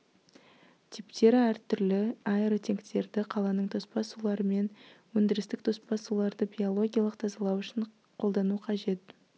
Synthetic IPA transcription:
t̪ʲʰipt̪e̞ɾæɾt̪ʰʏɾlɪɑeɾot̪ʰe̞ŋkt̪e̞ɾd̪ɪqʰɑlˠɑnəɴt̪ʰo̞spɑsulˠɑɾəme̞nwɵnd̪ɪɾɪst̪ɪk̚t̪ʰo̞spɑsulˠɑɾd̪əbʲijo̞lˠo̞ɡʲijɑlˠəqt̪ʰɑzɑlˠɑwʏʃɪɴ | qʰo̞lˠd̪ɑnuqʰɑʒe̞t̪

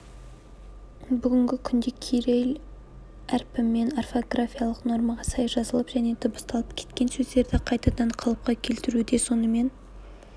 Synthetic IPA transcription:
bʏɡʲɪŋɡʲɪkʲʰʏnd̪ekʲʰijɾejl | æɾpɪmenarfo̞ɡrafʲijalˠəqno̞ɾmɑʁɑsɑjʒɑzəlˠəpʒ̥æne̞t̪ʰʊbəst̪ɑlˠəp̚kʲʰe̞̥t̪kʲe̞nsɵzd̪e̞ɾd̪ɪqʰɑjt̪ɑd̪ɑɴqʰɑlˠəp̚qɑkʲʰe̞lt̪ɪɾud̪e̞so̞nəme̞n

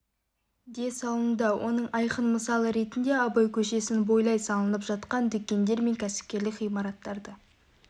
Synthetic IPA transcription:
d̪e̞sɑlˠənd̪ɑwʔo̞̰nəɴɑjqənməsɑlˠəɾe̞t̪ɪnd̪e̞ɑbɑjkʲʰɵʃe̞sɪnbo̞jlˠɑjsɑlˠənəpʒɑt̪qɑnd̪ʏkʲːe̞nd̪e̞ɾme̞ŋkʲʰæsɪ̥p̚kʲe̞ɾlɪkʁijmɑɾɑt̪ːɑɾd̪ə

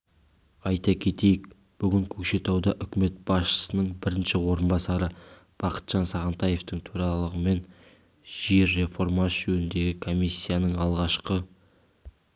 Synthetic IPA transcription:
ɑjt̪ɑkʲʰe̞t̪e̞jɪk̚ | b̥ʏɡʲɪŋkʲʰɵkʃe̞t̪ɑwd̪ɑʔʏkʲɪme̞t̪̚b̥ɑsʃə̥sənəɴbɪɾɪnʃɪwo̞ɾənbɑsɑɾə | b̥ɑqə̥t̪ʒ̥ɑnsɑʁənt̪ɑje̞ft̪əɴt̪ʰuɾɑlˠəʁəme̞n | ʒeɾːe̞fo̞ɾmɑʒɵnɪnd̪e̞ɡʲɪkʰo̞misʲːijanəɴɑlˠʁɑʃqə

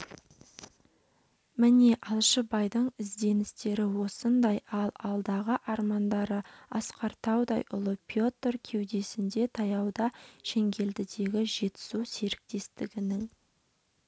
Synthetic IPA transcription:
mɪne̞ʔɑlˠʃəbɑjd̪əɴɪzd̪e̞nɪst̪e̞ɾɪwo̞sənd̪ɑjɑlˠɑlˠd̪ɑʁəʔɑɾmɑnd̪ɑɾəɑsqɑɾt̪ʰɑwd̪ɑjʔʊ̰lˠəpʰjo̞t̪rkʲʰe̞wd̪e̞sɪnd̪e̞t̪ʰɑjɑwd̪ɑʃe̞ŋɡʲe̞ld̪ɪd̪e̞ɡʲɪʒe̞t̪ɪ̥suwse̞ɾɪk̚t̪e̞st̪ɪɡʲɪnɪŋ

